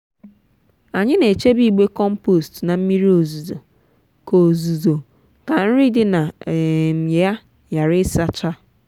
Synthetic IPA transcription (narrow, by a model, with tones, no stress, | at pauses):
a˨ɲɪ˦ne˨t͡ʃe˦bi˦˨ɡ͡be˦kɔ˦m̩˦po˦˨stna˨m̩˦mi˦ɾi˦o˨zu˨zo˨ | ko˨zu˨zo˨ | ka˨n̩˦ɾi˦dɪ˦na˨m̩˨ɲe˨ja˦ | ja˨ɾɪ˦sa˦t͡ʃa˦